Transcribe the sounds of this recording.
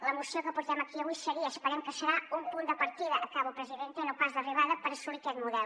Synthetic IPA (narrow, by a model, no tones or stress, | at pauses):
ləmusiokəpuɾt̪ɛmɐkiəβujsəɾiəːspəɾɛmkəsəɾaumpund̪əpəɾt̪iðəʔːkaβupɾəziðent̪enupazðəriβaðəpəɾəsuɾik̪ɛt̪muðɛl